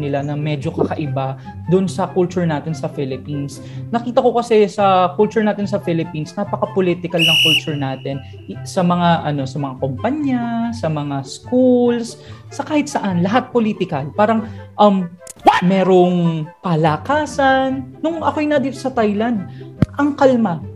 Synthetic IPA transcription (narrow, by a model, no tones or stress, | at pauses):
nɪlanɐmɛːd͡ʒo̞kɐkɐʔɪba | d̪ʊʔonsɐkult͡ʃʊɹnaːt̪ɪnsɐfɪlɪpins | nɐkiːt̪ɐko̞kɐsɛsɐkult͡ʃʊɹnaːt̪ɪnsɐfɪlɪpinsnapɐkɐpolit̪ɪkɐlnɐŋkult͡ʃʊɹnaːt̪ɛn | sɐmɐŋaʔɐno̞sɐmɐŋakompaɲasɐmɐŋaskulssɐkaːhɪt̪̚sɐʔanlɐɦat̪̚poliːt̪ɪkɐlpaːɾɐŋʔɐm | mɛːɾoŋpɐlakaːsɐnːʊŋʔɐkoʔjnɐd̪iːt̪osɐt̪ajland̪̚ʔɐŋkɐlma